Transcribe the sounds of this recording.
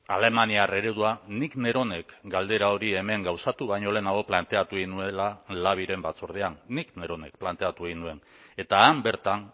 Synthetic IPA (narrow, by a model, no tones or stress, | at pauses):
ale̞maniare̞ɾeðuanikne̞ɾo̞ne̞kɡald̪e̞ɾao̞ɾie̞me̞ŋɡawsat̪uβajɲo̞le̞ːnaɣo̞plant̪e̞at̪uɣinue̞lalaβ̞iɾe̞mbat͡soɾð̞e̞anːikne̞ɾo̞ne̞̰k̚plant̪e̞at̪uɣinue̞n | e̞t̪aːmbe̞ɾt̪an